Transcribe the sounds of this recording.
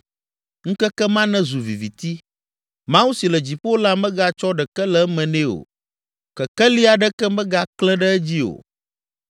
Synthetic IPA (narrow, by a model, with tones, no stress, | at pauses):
ŋ̩̃˦kɛ˦kɛ˦mã˦nɛ̃˦zu˨vi˨vi˨t̪i˦ | mã˦wu˦si˨lə˨d͡ʑi˨ɸwo˦la˦mɛ̃˦ɡa˦t͡ʃɔ˦ɖɛ˨kɛ˦lɛ˨˦mɛ̃˨nɛ̃˦o̰˨ | kɛ˨kɛ˦li˦a˨ɖə˦kɛ˦mɛ̃˦ɡa˦klɛ̃˦ɖə˦ɛ˦d͡ʑi˦o̰˨